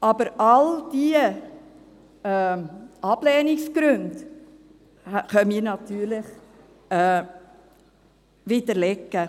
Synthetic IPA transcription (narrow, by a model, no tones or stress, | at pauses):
ʔɑbəɾɑld̥iə | ɛːɑb̥lɛːniksɡ̥ɾʉnd | χœniːɾnɑt̪yːɾlɪχ | ɛ | vid̪əɾlɛkːə